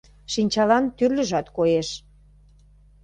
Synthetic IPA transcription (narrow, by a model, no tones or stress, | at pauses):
ʃinʲt͡ɕɑlɑnt̪yrlʲə̆ʒɑt̪kojeʃ